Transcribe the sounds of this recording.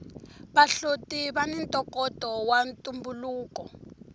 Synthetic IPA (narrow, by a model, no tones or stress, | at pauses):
βaɬotiβanɛntʼɔkɔtʼɔwantʼumbuluːkɔ